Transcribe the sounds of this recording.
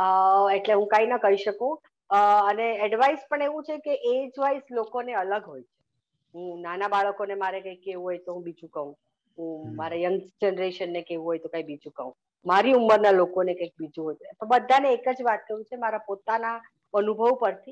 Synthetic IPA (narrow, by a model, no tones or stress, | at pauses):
əeʈleɦũkãinəkəɦiʃəkũ | əneɛɖʋaispəɳeʋũt͡ʃʰekeʔed͡ʒʋaislokoneələɡɦojt͡ʃʰe̥ | ɦũnanabaɭəkonemaɾekãikːeʋũɦojt̪oɦũbid͡ʒũkəɦũ | ɦũmaɾajəŋɡd͡ʒenɾeʃənːekeʋũɦojt̪okãibid͡ʒũkəɦũ | maɾiumːəɾnalokonekãk̚bid͡ʒũɦojt̪pəbəd̪ʱːaneːkəd͡ʒʋat̪̚kəɾũt͡ʃʰemaɾapot̪ana | ənubʱəʋpəɾt̪ʰi